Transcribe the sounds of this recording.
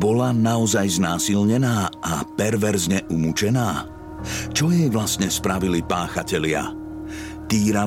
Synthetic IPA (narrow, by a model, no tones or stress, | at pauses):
bɔlanaɔzajznaːsilɲɛnaːapɛɾʋɛɾzɲɛʔumut͡ʃɛnaː | t͡ʃɔjɛjʋlast̪ɲɛspɾaʋilipaːxacɛlɪa̰ | t̪iːɾa